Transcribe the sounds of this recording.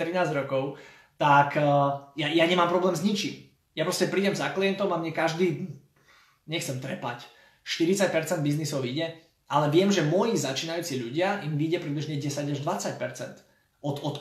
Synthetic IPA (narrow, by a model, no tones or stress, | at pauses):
t̪ɾinaːzɟɾɔkɔʊ | t̪akːjajaɲɛmaːmpɾɔblɛːmzɲit͡ʃim | japɾɔscɛpɾiːɟɛmzakliɛnt̪ɔmamɲɛkaʒd̪iː | ɲɛxt͡sɛmt̪ɾɛpa̰c | ʃt̪iɾit͡sac̚pɛɾt͡sɛnd̪biznisɔʊiːɟɛ | ʔalɛʋɪɛmʒɛmʊɔjizat͡ʃiːnajuːt͡siʎuɟɪaʔimʋiːɟɛpɾidbliʒɲɛɟɛsaɟaʒd̪ʋat͡sac̚pɛɾt͡sɛ̰nt̪ | ɔt̪ɔt̪